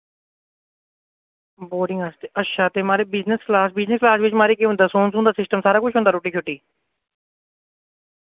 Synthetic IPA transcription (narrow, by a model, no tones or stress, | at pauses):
boːɾɖɪ̃ŋɡaːst̪eːəʃaːt̪eːmaːɾeːbɪznəsklaːsbɪznəsklaːsʋɪt͡ʃmaːɾiːkeːɦʊ̃nd̪aːsoːnsũːnd̪aːsɪsʈəmsaːɾaːkʊt͡ʃʰɦõːnd̪aːɾoːʈːiːt͡ʃʰʊʈːiː